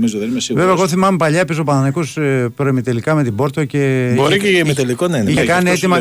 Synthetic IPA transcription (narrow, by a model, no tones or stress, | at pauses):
mizoðesveveɐeɣoθimɐmepɐʎɐpis̬opɐnɐnɐkuspɾoemit̪elikɐme̞t̪ibo̞ɾt̪oce̞boɾicemit̪elikonɐinkɐnet̪imɐ